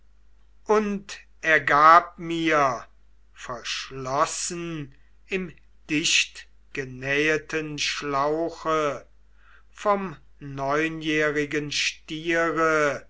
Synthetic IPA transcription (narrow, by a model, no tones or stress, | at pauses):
ʔʊnt | ɛɐɡaːp̚miːɐ | fɛɐʃlɔsn | ɪm | d̥ɪʃt | ɡ̥ənɛːətʰənʃlaʊxə | fɔm | nɔʏnjɛːʁɪɡənʃtiːʁə